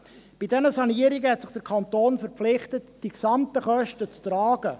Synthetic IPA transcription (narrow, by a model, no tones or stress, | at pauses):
b̥idɛnəsɑniəɾiɡəhɛtsɪχd̥əɾkʰɑnt̪oːnfəɾpflɪχtətd̥iksɑmtəχœʃtət͡stɾɑːɡ̥ə